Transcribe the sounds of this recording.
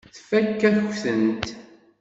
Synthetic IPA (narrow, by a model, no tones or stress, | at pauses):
θfækːæθçθənt̪